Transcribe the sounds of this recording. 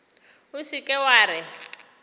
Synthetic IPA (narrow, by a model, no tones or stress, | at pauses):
usikʼɛwaːɾɪ